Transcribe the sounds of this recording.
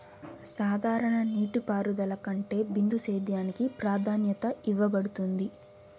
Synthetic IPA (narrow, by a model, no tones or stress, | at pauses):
saːd̪ʱaːɾɐɳɐniːʈipaːɾud̪ɐlɐkɐɳʈe̞ːbind̪useːd̪jaːnikipɾaːd̪ʱaːnjɐt̪ɐiʋɐbɐɽut̪und̪i